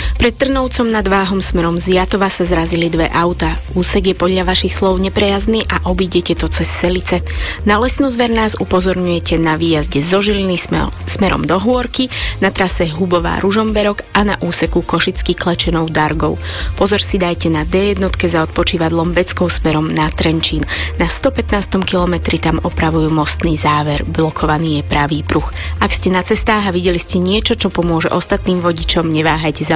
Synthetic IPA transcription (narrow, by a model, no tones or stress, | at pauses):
pɾɛt̪ːr̩nɔʊt͡sɔmnad̪ʋaːɦɔmsmɛɾɔmzɪjat̪ɔʋasazɾazilid̪ʋɛ̰ʔaʊt̪auːsɛɡjɛpɔd̪lʎaʋaʃixslɔʊɲɛpɾɛjazniːʔaʔɔbiːɟɛcɛt̪ɔt͡sɛsːɛlit͡sɛnalɛsnuːzʋɛɾnaːzupɔzɔɾɲujɛcɛnaʋiːjazɟɛzɔʒilinismɛɾɔ̰md̪ɔɦʊɔɾkinat̪ɾasɛɦubɔʋa̰ːɾʔuʒɔmbɛɾɔkʔana̰ʔuːsɛkukɔʃit͡skiklɛt͡ʃɛnɔʊd̪aɾɡɔʊpɔzɔɾsid̪ajcɛnad̪ɛjɛd̪nɔt̪kɛzaɔt̪̚pɔt͡ʃiːʋaɟ̪lˠɔmbɛt͡skɔʊsmɛɾɔmnat̪ɾɛnt͡ʃiːnnast̪ɔpɛt̪naːst̪ɔmkilɔmɛt̪ɾit̪amɔpɾaʋujuːmɔst̪niːzaːʋɛɾblɔkʰɔʋaniːjɛpɾaʋiːpɾuxʔakscɛnat͡sɛst̪aːɦaʋiɟɛliscɛɲɪɛt͡ʃɔt͡ʃɔpɔmʊɔʒɛ̰ʔɔst̪at̪niːmʋɔɟit͡ʃɔmɲɛʋaːɦajcɛza